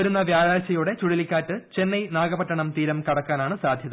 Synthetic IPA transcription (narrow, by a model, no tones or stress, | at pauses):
ɐɾunːɐʋjaːɻaːlɕɐjuɽe̞t͡ɕuɽilikʲːaːʈːɨt͡ɕe̞nːɐjnaːɡɐbɐʈːɐɳɐmt̪iːɾɐmkɐɽɐkːaːnaːɳɨsaːd̪ʱjɐðɐ